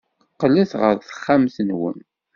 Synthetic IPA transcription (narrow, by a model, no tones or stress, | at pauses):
qːəlːiθʁə̰ɾθə̥χːamθənwə̰m